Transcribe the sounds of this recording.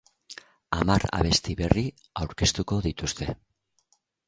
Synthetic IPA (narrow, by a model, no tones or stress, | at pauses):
amaɾa̰β̞e̞st̪iβe̞ri | awɾke̞st̪uko̞ðit̪ust̪e̞